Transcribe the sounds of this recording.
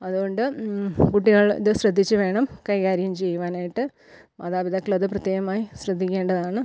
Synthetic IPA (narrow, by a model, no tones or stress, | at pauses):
ɐðuɣo̞ɳɖɨkuʈ̬ːiɣɐɭ̰ɨɕrɐd̪ʱːit͡ɕːɨʋe̞ːɳɐmkɐjkaːɾjɐjumt͡ɕe̞jːuʋaːnaːjiʈːɨ | mɐðaːbid̪ɐkːɐɭɐðɨprɐt̪jeːɣɐmaːjiɕrɐd̪ʱːikʲːe̞ːɳɖɐðaːɳɨ